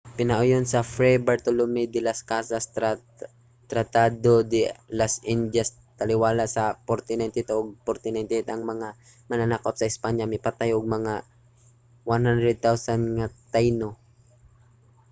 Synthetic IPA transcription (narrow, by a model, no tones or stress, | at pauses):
pɪnɐʔʊjonsɐfɾɛbɛɹt̪ʊlomɛd̪ɪlaskasas | t̪ɾat̪ad̪od̪ɪlasʔɪnd͡ʒas | t̪ɐlɪwaːlaʔsɐpoɾt̪ɪnajnt̪ɪt̪ʔoɡ̚poɾt̪ɪnajnt̪ɪt̪ʔɐŋmɐŋa | mɐnanakot̪̚sɐɪspaɲjamɪpat̪ajʔʊɡ̚mɐŋa | wanhand̪ɾɛd̪̚t̪awsanŋat̪ajno